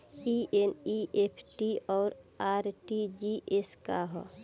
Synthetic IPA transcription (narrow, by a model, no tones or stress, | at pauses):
iʔeniʔepʰʈiɔːɾaːɾʈid͡ʒiʔeskaɦɔ̰